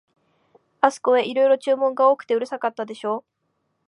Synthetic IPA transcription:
asɨ̥ko̞e̞ʔiɾo̞iɾo̞t͡ɕɨːmõ̞ŋɡao̞ːkɯ̟̥t̪e̞ɯ̟ɾɯ̟sakat̪ːad̪e̞ɕo̞ː

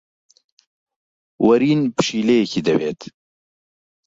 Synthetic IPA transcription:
wɐɾiːnpɨ̥ʃiːlejɛkʰid̪ɐbḛːt̪

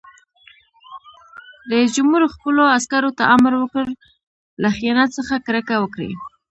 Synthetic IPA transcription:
d̪əd͡ʒʊmhuɾxpəloaskaɾot̪aʔamɾwəkəɾ | laxianat̪səxakɾəkawəkɽḛ

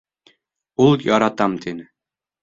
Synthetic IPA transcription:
ulˠjɒɾɑt̪ɑmt̪ʰinɘ

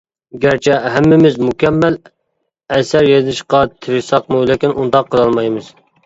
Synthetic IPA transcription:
ɡʲæɾt͡ʃʰɛɦæmːɪmɪzmukʲɛmːæl | ɛsæɾjezɪʃqɑt̪ʰɪɾɪʃsɑqmulˠɪkʲinʔund̪ɑqʰːəlˠɑlˠmɑjmɨz̥

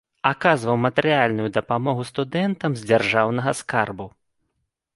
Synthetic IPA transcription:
akazvɐwmɐt̪ɛɾɨjalʲnujud̪ɐpamɔɣust̪ud̪ɛnt̪ɐmzʲd͡zʲarʐawnɐɣɐskarbu

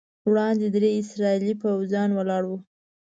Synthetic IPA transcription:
wɽɑnd̪ed̪ɾeɪsɾɑilipawzjɑnwalɑɽwu

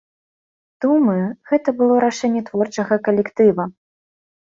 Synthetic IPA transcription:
d̪̥umɐjuɣɛt̪ɐbɨlˠɔɾaʂɛnʲːɛt̪vɔrt͡ʂɐɣɐkɐlʲɛkt̪ɨvɐ

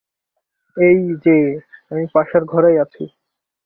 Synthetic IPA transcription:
ejd͡ʑeamipaʃaɾɡʱɔɾejat͡ɕʰi

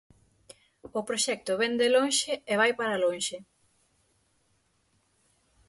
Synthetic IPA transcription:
opɾoʃɛk̚t̪oβɛnd̪eloŋʃeeβ̞ajpaɾaloŋʃe

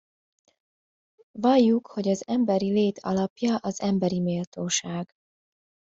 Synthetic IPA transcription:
vɒjːukho̞ɟɒzɛmbɛɾileːt̪ʰɒ̰lɒpjɒʔɒzɛmbɛɾimeːlt̪oːʃaːɡ

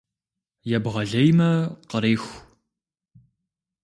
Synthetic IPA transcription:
jɛbʁɐɮɐjmɐqəɾeːxʷ

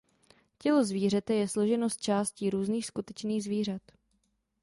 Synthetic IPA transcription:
cɛlo̞zviːrɛt̪ɛjɛslo̞ʒɛnost̪̚t͡ʃaːsciːɾuːzniːxskut̪ɛt͡ʃniːɣzviːr̝at̪

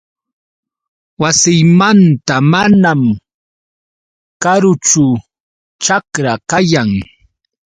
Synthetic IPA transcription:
wasɪjmant̪amanam | kaɾʊt͡ʃʊ | t͡ʃakɾakajaŋ

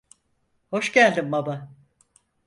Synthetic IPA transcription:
ho̞ʃcælʲd̪imbaba

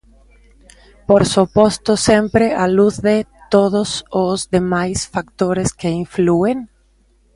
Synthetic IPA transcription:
poɾsupost̪osempɾealuððet̪oðosozðemajsfak̚t̪oɾeskeiɱflueŋ

